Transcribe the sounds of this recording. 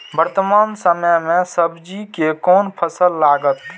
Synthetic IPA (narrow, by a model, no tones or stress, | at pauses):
bəɾt̪əmaːnsəməjmẽsəbd͡ʒikekɔːnpʰəsəlːaːɡət̪